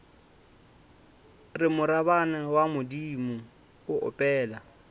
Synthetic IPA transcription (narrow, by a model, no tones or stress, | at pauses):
rɪmʊɾabanawamʊdiːmʊ | ʊʊ̰pʼɛːla